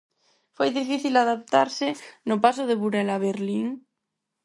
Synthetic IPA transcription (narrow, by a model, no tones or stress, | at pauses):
fwejðifiθilaðap̚t̪aɾsenopasoð̞eβuɾelaβeɾliŋ